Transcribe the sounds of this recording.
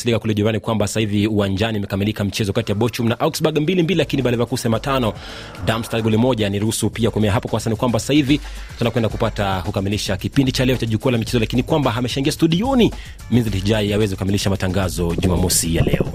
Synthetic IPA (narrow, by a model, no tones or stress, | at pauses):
silikakulɛʄuɾanikwambaasahiviuwand͡ʒanimɛkamilikamit͡ʃɛzɔkatijaɓɔt͡ʃumnaʔaksɓaɡmbilimbililakiniɓalɛvakusɛmatanɔ | damstalɡulimɔʄaniɾuhusupiakuɛmɛaɦapɔkwaasanikwambaasahivi | tunakwɛndakupatakukamiliʃakipindit͡ʃalɛɔt͡ʃaʄukualamit͡ʃɛzɔlakinikwambaɦamɛʃaŋɡiastuɗiɔni | minzilihiʄaiawɛzɛkukamiliʃamataŋɡazɔʄumamɔsijalɛ̰ɔ